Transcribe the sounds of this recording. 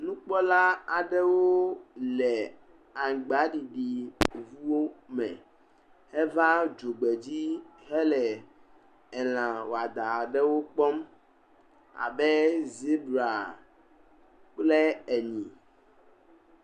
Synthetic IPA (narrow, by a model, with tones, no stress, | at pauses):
nũ˦k͡pɔ˦la˦a˨ɖɛ˦wo˦lɛ˨ | a˨ŋ˨ɡ͡ba˨˦ɖi˨ɖi˨vu˦wo˦mɛ̰̃˨ | hɛ˦va˦d͡ʒo˨ɡ͡be˨d͡ʑi˦ɦɛ˦lɛ˨ | ɛ˨l̃ã˨wo˨a˨d̪a˨ɖɛ˦wo˦k͡pɔ˦m | a̰˨bɛ˦zi˦bɾa˨ | k͡plɛ˦ɛ˨ɲĩ˨